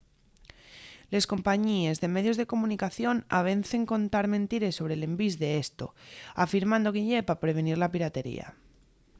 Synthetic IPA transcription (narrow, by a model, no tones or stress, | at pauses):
le̞sko̞mpaɲie̞zðe̞me̞ðjo̞zðe̞ko̞mũnikaθjo̞naβ̞e̞n̟θe̞ŋko̞nt̪aɾmẽnt̪iɾe̞sːo̞β̞ɾe̞le̞mbizðe̞est̪o̞̰afiɾmãnd̪o̞ɣiʎepapɾe̞β̞e̞niɾlapiɾat̪e̞ɾḭa̰